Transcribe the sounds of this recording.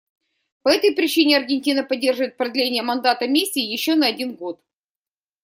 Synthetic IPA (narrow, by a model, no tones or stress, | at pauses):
pɐɛt̪əjpɾʲɪt͡ɕinʲɪɐrɡʲɪnʲtʲinəpɐdʲːe̞rʐɨvəɪt̪̚pɾɐd̪lʲenʲɪjəmɐnd̪at̪əmʲisʲːiːjɪɕːonɐɐdʲinɡo̞t̪